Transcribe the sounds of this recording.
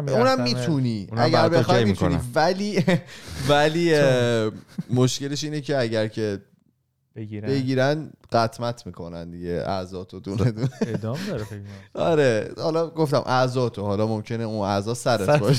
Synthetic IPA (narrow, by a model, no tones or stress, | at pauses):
unæmːiːt̪ʰuniːæɟæɾbexɒmitʰuniːvæliː | væliː | moʃce̞leʃ̬iːnecʰe̞æɟæɾcʰe̞ | bɾbe̞ɡiːɾænɢæt̪ʰmæt̪ʰmiːkʰo̞nænd̪iɟḛʔæ̰zɒːt̪ʰod̪uned̪uned̪d̪ɾɒɾehɒlɒɡoft̪æmʔæzɒːt̪ʰo̞hɒlɒːmomcʰe̞neuːnæzɒːsæɾet̪bɒʃ